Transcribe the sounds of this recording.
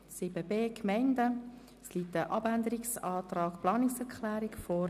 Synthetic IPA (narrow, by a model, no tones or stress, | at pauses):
sɪbəbeːkʰmɛɪndə | sliːtəʔɑbændəɾiksɑːt̪rɑːkplɑːnɪksɛʁkχlæːɾɪkfɔ